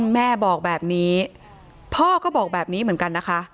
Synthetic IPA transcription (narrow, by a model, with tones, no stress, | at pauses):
mɛː˥˩bɔː˨˩k̚bɛː˨˩p̚niː˦˥ | pʰɔː˥˩kɔː˥˩bɔː˨˩k̚bɛː˨˩p̚niː˦˥mɯ˩˦nka˧nːa˦˥kʰa˦˥